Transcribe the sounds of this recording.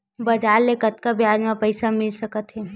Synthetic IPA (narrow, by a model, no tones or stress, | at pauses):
bɐd͡ʒaːɾːekət̪kabʱjaːd͡ʒmãpəɪsamɪlsəkət̪ɦɛː